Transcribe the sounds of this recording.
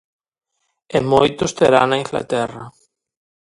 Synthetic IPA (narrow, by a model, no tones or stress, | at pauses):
emojt̪ʊst̪eɾa̰nɐiŋfla̰t̪ɛrɐ